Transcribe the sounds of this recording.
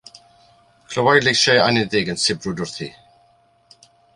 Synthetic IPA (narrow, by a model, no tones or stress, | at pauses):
kʰl̥əwajlejʃɛa̰nɪðɪɡənsɪbrʊdʊrθḭ